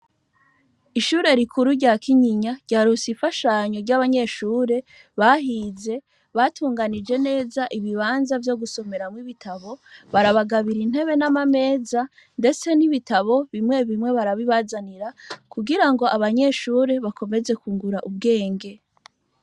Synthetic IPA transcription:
iʃuːɾe̞ɾikʰuɾuɾɟaːkʰiɲiɲaɾɟaːɾusifaʃaɲo̞ɾɟaβaɲe̞ʃuːɾe̞ | βaɦiːze̞ | βatʰuːŋɡanid͡ʒe̞ne̞ːzaʔiβiβaːnzavjo̞ɡuso̞me̞ɾamwiβitʰaβo̞βaɾaβaɡaβiɾin̥e̞βe̞namame̞ːza | nde̞t͡se̞niβitaβo̞βimŋe̞βimŋe̞βaɾaβiβazaniɾakuɡiɾaŋɡo̞ʔaβaɲe̞ʃuːɾe̞βako̞meze̞kuːŋɡuɾaʔub̚ɡe̞ːŋɡe̞

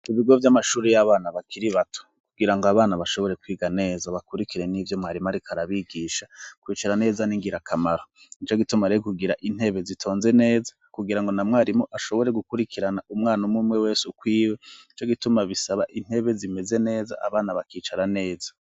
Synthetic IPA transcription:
iβiɡo̞vjamaʃuːɾejaβaːnaβakʰiɾiβatʰo̥ | kuɡiɾaŋɡoaβaːnaβaʃo̞βo̞ɾe̞kwiːɡane̞ːzaβakuɾikiɾe̞nivjo̞mŋaːɾimaɾikʰaɾaβiɡiːʃakwiːt͡ʃaɾane̞ːzaniŋɡiɾakʰamaɾo | it͡ʃo̞ɡitumaɾekuɡiɾaʔin̥he̞βe̞zitʰo̞ːnze̞ne̞ːzḁ | kuɡiɾaŋɡo̞namŋaːɾimoʔaʃo̞βo̞ɾe̞ɡukuɾikʰiɾanaumŋaːnumumŋe̞we̞ːsukwiːweit͡ʃo̞ɡitumaβisaβaʔin̥he̞βe̞zime̞ze̞ne̞ːza̰ʔa̰βaːnaβakiːt͡ʃaɾane̞ːzḁ

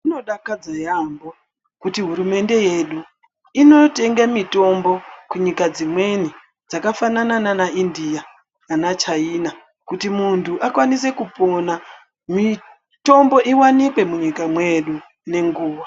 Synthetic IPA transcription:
uno̞ɗakad͡zajambo | kutiɦuɾume̞nde̞je̞ɗu | ino̞te̞ŋɡamito̞mbo̞kuɲikad͡zimwe̞ni | d͡zakafananananaindija | nanat͡ʃaina | kutimuntʰuʔakwanise̞kupo̞na | mi | to̞mbo̞ʔiwanikwe̞muɲikamwe̞ɗu | ne̞ŋɡuːʋa

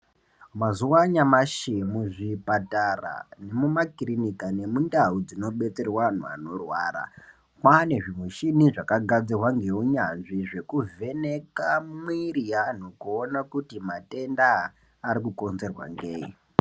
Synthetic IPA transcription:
mazuwaɲamaʃemuʐipatara̰ne̞mumakirinikane̞mundaud͡zino̞ɓe̞t͡se̞rwan̤ua̰no̞rwa̰ːra̰ | kwane̞ʐimweʃiniʐakaɡʱad͡zirwaŋɡe̞uɲanʐiʐe̞kuve̞nekammwirijanokuonakutimate̞ndaː | ɾikuko̞nze̞rwa̰ŋɡeːi

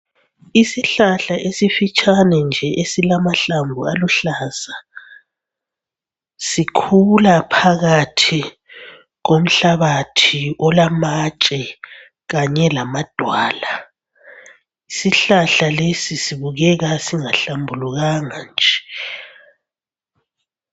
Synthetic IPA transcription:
isiɬaɬaʔesifit͡ʃʼanɛnd͡ʒʱɛʔesilamaɬambʱualuɬaːsa | sikʰulapʰaɣatʰi | ɣom̩ɬaβatʰiʔɔlamat͡ʃʼɛ | ɣaɲɛlamad̥ʱwaːla | isiɬaɬalesisiβuɣɛɣasiŋaɬambʱuluɣaŋand͡ʒʱɛ

